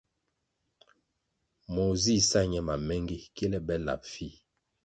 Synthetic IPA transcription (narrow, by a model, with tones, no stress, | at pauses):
mo˨zi˦˨sa˦ɲɛ˦ma˨mɛ˦ŋɡi˦kɛ˦lɛ˦bɛ˦la̰˨pfi˦˨